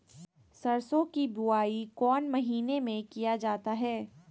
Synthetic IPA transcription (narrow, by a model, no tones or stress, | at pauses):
sɐɾsõkibʊaːikɔːnmɐɦiːnemẽkijad͡ʒaːt̪aɦɛː